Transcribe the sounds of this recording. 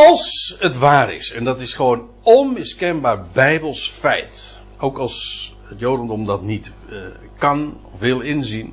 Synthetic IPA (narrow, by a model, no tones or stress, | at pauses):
ɑlˠsətʋaːɾɪ̰sɛndɑtɪsχəʋown | ɔnmɪskɛnbaːɹbɛjbəlˠsfɛjt | owkɑlˠs | ətjowdəndɔmdɑtnit | kɑnɔfʋɪlˠɪnzin